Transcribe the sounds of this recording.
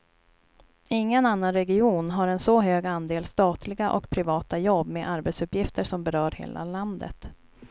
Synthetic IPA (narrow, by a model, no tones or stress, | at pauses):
ɪŋːənanːanɾɛɡɪuːnɦaɾɛnsɔɦøːɡand̪eːlst̪ɑːt̪ʰlɪɡaʔɔ̰kpʰɾɪvɑːt̪ajɔbːmeʔaɾbɛt̪sɵpjɪft̪əʂɔmbɛɾœːɾhḛːlʔa̰land̪ə̰t̪